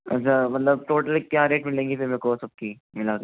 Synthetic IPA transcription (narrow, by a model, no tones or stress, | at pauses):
ɐ̰tːʃʰamɐt̪ləb̚ʈoːʈəlkkjaːɾeːʈmɪlẽːŋɡifɪɾmekosɐb̚ki | mɪlaːk